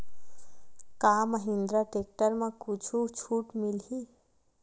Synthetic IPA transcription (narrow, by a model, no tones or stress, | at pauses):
kaməɦɪ̃nd̪ɾaʈeːk̚ʈəɾmãkut͡ʃʰut͡ʃʰuːʈmɪlɦi